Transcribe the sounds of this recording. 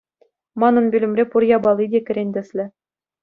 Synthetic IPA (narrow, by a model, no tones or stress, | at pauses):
mɑnɤ̆nbʲylʲɘ̆mʲrʲepurjɑbɑlˠːidʲekʲɘ̆ɾʲenʲdʲɘ̆sʲlʲɘ̆